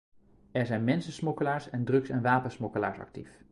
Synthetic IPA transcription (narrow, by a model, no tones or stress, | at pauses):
ɛɹzɛjnmɛnsəsmɔkəlaːɹsɛndrɵksɛnʋaːpənsmɔkəla̰ːɹsɑ̰k̚tif